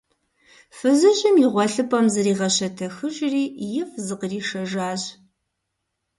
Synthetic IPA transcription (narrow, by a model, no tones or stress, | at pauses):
fɨzɨɕʼɪmjɪʁʷɔɬɨpʼɐmzɨriːʁɐɕɐtʰɐxɨʒriːjɪfzɨqəriːʃɐʒaːɕ